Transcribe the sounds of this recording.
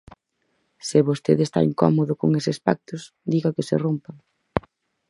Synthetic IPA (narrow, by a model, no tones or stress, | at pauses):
sɪβost̪eðest̪a̰iŋkɔ̰moðʊkoŋesɪespa̰k̚t̪ʊs | d̪iɣakɪsɪ̰rompaŋ